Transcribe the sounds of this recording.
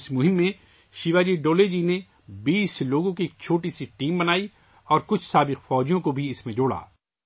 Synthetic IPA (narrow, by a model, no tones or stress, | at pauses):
smʊɦɪ̃mːẽ | ʃiʋaːd͡ʒiɖoːled͡ʒine | biːsloːɡõkikt͡ʃʰoːʈisiʈiːmbɐnaːi | ɔːɾkʊt͡ʃʰsaːbɪqfɔːd͡ʒijõkobʱiɪsmẽd͡ʒoːɽa̰ː